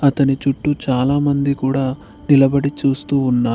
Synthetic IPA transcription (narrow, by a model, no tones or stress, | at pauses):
ɐt̪ɐnit͡ʃuʈːut͡ʃaːlaːmɐnd̪ikuːɽaː | nilɐbɐɽit͡ʃuːst̪uːnːaː